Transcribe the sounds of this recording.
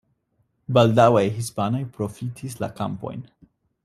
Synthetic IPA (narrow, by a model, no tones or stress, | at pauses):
baldawajhispano̞jpɾo̞fitʰis̬la̰ka̰mpo̞̰jn